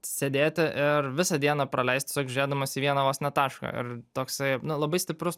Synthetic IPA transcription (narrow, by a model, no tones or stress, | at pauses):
sʲeːd̪ʲeːt̪ʲɪʔɪrʋʲɪsɐd̪ʲiɛnɐpɾɐlʲɛɪst̪ʲe̥sʲoːkʒʲɪɾʲeːd̪ɐmoːsiːʋʲiɛnɐʋoːsʲnʲɛt̪ɑːʃkɐ̰ɪ̰ɾt̪oːksɐɪnʊlˠɐbɐɪsʲtʲɪpɾʊs